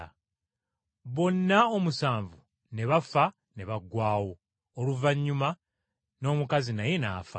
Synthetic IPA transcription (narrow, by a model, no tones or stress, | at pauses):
βo̞nːaomusaːɱvu | ne̞βafa | ne̞βaɡːwaːwo̞ː | luvaɲːuma | no̞ːmukazinaje̞na̰ːfa̰